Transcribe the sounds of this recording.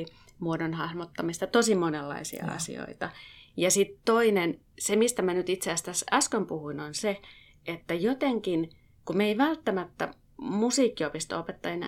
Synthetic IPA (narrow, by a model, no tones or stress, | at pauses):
muodonhɑhmot̪ːɑmist̪ɑt̪osimonelːɑ̰isḭɑ̰ɑ̰sḭo̰it̪ɑjɑsit̪toinen | semist̪æmænyt̪it̪seæst̪æsɑskømpuhuinonse | ʔet̪ːæjot̪eŋkin | kumeiʋælt̪ːæmæt̪ːæ̰ | musiːkːiopist̪o̰opet̪ːɑjɑn